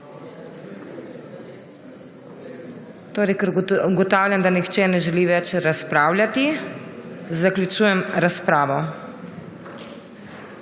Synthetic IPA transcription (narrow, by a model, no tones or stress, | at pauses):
t̪oːɾɛjkɛɾɡɔt̪aːwlʲjamd̪anixt͡ʃɛːnɛʒɛliːʋɛt͡ʃɾaspɾaːwlʲjʲat̪i | zaklʲjut͡ʃuːjɛmɾaspɾaːʋɔ